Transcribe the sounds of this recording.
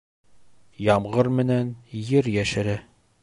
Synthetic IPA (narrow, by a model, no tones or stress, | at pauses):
jɒmʁɤɾmɘ̆nænjɘɾjæʃɘ̆ɾæ